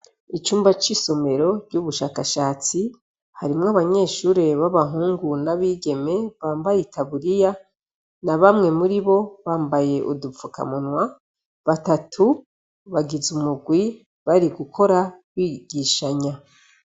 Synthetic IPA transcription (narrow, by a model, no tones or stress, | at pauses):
it͡ʃuːmbat͡ʃiso̞me̞ɾo̞ɾɟuβuʃaːkaʃaːt͡si | haɾimŋaβaɲe̞ːʃuːɾe̞βaβaɦuːŋɡunaβiːɡe̞me̞βaːmbajetʰaβuɾija | naβamŋe̞muɾiβo̞βaːmbaje̞ʔudufuka̰munwa | βatatʰu | βaɡizumuɡwi | βaɾiɡukʰo̞ɾawiːɡ̥iʃaɲa